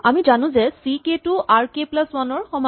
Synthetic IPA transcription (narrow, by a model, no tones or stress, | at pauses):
amizanʊ̃zɛsiketuʔaɹkeplaswanɔɹxɔma